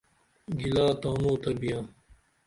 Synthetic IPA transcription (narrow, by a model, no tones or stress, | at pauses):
ɡilaːt̪aːnoːt̪ɐɾbijãː